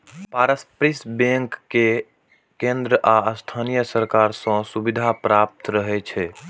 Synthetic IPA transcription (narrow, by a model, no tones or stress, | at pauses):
paɾəspɾisbẽŋkːe | kẽnd̪ɾəʔaəst̪ʰanijəsəɾkaɾsə̃subid̪ʱapɾap̚t̪ɾəɦɛt͡ʃʰɛ